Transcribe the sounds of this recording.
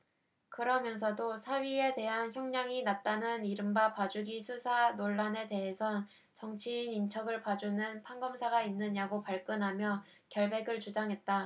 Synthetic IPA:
kɯɾʌmjʌns̬ʰʌdosʰaɥie̞te̞ɦançjʌŋɲaŋinat̚t͈anɯniɾɯmbapad͡ʑuɡisʰusʰanoɭːane̞te̞ɦe̞sʰʌn | t͡ɕʌŋt͡ɕʰiːnint͡ɕʰʌɡɯɭpad͡ʑunɯnpʰaŋɡʌmsʰaɡainːɯɲaɡopaɭk͈ɯnɦamjʌ | kjʌɭbe̞ɡɯɭt͡ɕud͡ʑaŋɦe̞t̚t͈a

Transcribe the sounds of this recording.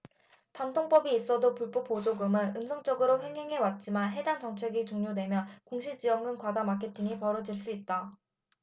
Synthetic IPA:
tantʰoŋp͈ʌbiːs͈ʌdopuɭp͈op͈ːod͡ʑoɡɯmɯnɯmsʰʌŋt͡ɕ͈ʌɡɯɾoɸweŋɦeŋɦe̞wat̚t͡ɕ͈imanɦe̞dant͡ɕʌŋt͡ɕʰe̞ɡit͡ɕoŋɲodwe̞mjʌkoŋɕʰid͡ʑijʌŋɯnkwadamakʰe̞tʰiŋipʌɾʌd͡ʑiɭs͈uit̚t͈a

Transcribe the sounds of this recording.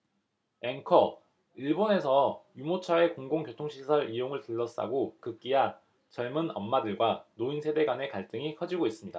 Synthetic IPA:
e̞ŋkʰʌ | iɭbone̞sʰʌjumot͡ɕʰae̞koŋɡoŋkjotʰoŋɕʰisʰʌɾijoŋɯɭtɯɭːʌs͈a̰ɡokɯk͈ija | t͡ɕʌɭmɯnʌmːadɯɭɡwanoinsʰe̞de̞ɡwane̞kaɭt͈ɯŋikʰʌd͡ʑiɡois͈ɯmɲida̰

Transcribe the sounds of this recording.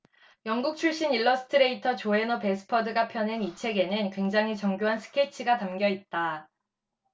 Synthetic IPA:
jʌŋɡuk̚t͡ɕʰuɭɕ͈iniɭːʌsʰɯ̥tʰɯɾe̞itʰʌt͡ɕoe̞nʌpe̞sʰɯ̥pʰʌdɯɡapʰjʌnenit͡ɕʰe̞ɡe̞nɯnkwe̞ŋd͡ʑaŋɦit͡ɕʌŋɡjoɦansʰɯ̥kʰe̞t͡ɕʰiɡatamɡjʌit̚t͈a

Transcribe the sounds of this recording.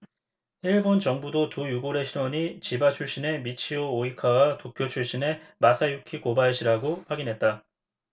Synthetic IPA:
iɭbont͡ɕʌŋbudotujuɡoɾe̞ɕʰiɾwʌɲit͡ɕibat͡ɕʰuɭɕ͈ine̞mit͡ɕʰioːikʰawatokʰjot͡ɕʰuɭɕ͈ine̞masʰajukʰikobaeɕʰiɾaɡoɸwaɡinɦe̞t̚t͈a

